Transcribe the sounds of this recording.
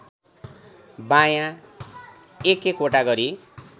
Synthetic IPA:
bãjã | ekekoʈaɡʌɾi

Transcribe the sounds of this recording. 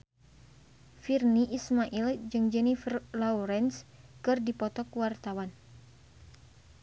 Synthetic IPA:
firniʔismaʔild͡ʒɨŋd͡ʒɛnifrlauɾɛnskɨrdipɔt̪ɔkwart̪awan

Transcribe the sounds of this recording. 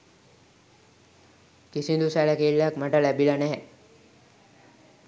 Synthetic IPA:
kisind̪usæləkelːjakmaʈəlæbilɐnæɦɛ

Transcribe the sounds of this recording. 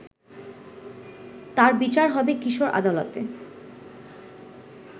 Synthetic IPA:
t̪aɾbit͡ɕaɾɦɔbekiʃoɾʔa̰d̪alot̪ḛ

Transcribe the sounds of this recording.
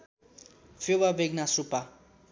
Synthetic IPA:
febabʱeɡ̚nasrupa

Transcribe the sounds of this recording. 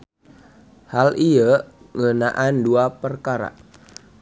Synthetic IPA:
halʔijə | ŋənaʔanduapərkaɾa̰

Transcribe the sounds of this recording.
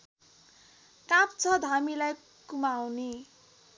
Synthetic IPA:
kap̚t͡sʰʌd̪ʱamilaj | kumawne

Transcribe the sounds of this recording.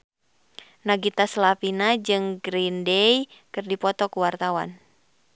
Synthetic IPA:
naɡit̪aslapinad͡ʒɨŋɡɾindɛjkɨrdipɔt̪ɔkuwart̪awa̰n

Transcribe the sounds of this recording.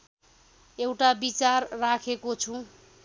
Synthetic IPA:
ewʈabit͡sarːakʰekot͡sʰũ

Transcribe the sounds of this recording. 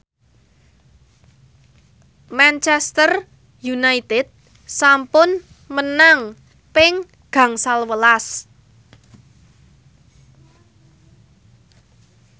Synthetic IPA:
mant͡ʃɛst̪ər | junait̪ɪd̪̥̚ | sampʊn | mənaŋ | pɪŋ | ɡ̥ä̤ŋsalwəlas

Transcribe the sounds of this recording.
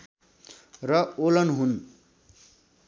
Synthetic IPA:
rʌolʌnɦun

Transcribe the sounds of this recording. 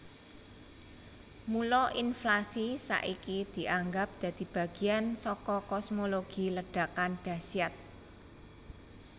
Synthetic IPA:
mulɔʔinflasisa̰ʔikid̪̥i̤ʔaŋɡap̚d̪̥ä̤d̪̥i̤b̥a̤ɡ̥i̤ansɔkɔkɔsmoloɡ̥i̤ləɖ̥a̤kanɖ̥a̤siat̪̚

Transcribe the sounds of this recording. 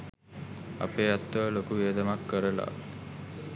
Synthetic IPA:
a̰peːat̪ːəʋlokuʋiəd̪əmakːəɾəla̰

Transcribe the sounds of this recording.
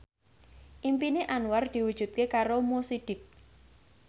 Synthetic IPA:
ʔimpineʔanward̪̥i̤wud̥ʒ̥ṳt̪̚kekaɾomosiɖ̥ɪk̚

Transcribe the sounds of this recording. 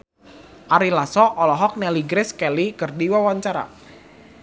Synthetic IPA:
ʔaɾilasɔʔɔlɔɦɔk̚nɛliɡɾɪskɛlikərdiwawaɲt͡ʃaɾa̰

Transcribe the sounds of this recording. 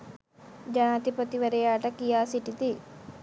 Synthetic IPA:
d͡ʒɐnaːt̪ipot̪iʋɐɾɐjaːʈɐkijaːsiʈit̪i

